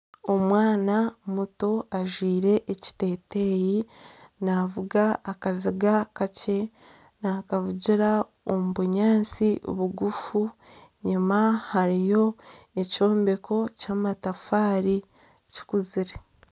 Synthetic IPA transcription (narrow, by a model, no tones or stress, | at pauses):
o̞mwaːnamutoaʒwiːɾe̞ʔeci̥te̞ːte̞jinavuɡaːkaziɡakace̞ | naːkavuɟiɾa | omuβuɲaːnt͡siβuɡufu | ɲimahaɾijo̞eco̞ːmbe̞kʰo̞caːmatafaːɾi | ci̥kuziɾe